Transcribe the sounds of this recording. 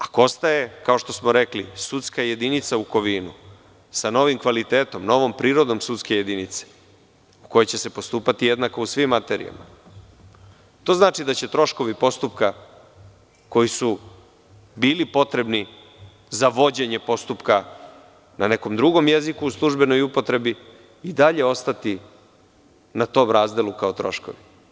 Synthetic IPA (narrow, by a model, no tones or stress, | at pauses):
akoost̪aje̞kao̞ʃt̪o̞smoɾe̞klḭsut̪skaje̞d̪init̪sauko̞ʋiːnu | sano̞ʋimkʋalit̪eːt̪o̞mno̞ʋo̞mpɾiːɾo̞d̪o̞msut̪ske̞je̞d̪init̪se̥ | uko̞jet͡ɕe̞se̞po̞st̪uːpat̪ije̞d̪nako̞usʋimːat̪e̞ɾḭa̰ma̰ | t̪o̞ːznaːt͡ʃid̪at͡ɕe̞t̪ɾo̞ʃko̞ʋipo̞st̪upka | ko̞jisu | biːlipo̞t̪ɾe̞bni | zaʋo̞d͡ʑe̞ɲe̞po̞st̪upka | nane̞ko̞md̪ɾuɡo̞mje̞zikuːslˠuʒbe̞no̞jupo̞t̪ɾe̞bi | id̪aʎe̞o̞st̪at̪i | nat̪o̞ːmɾaːzd̪e̞lˠukao̞t̪ɾo̞̰ʃko̞̰ʋi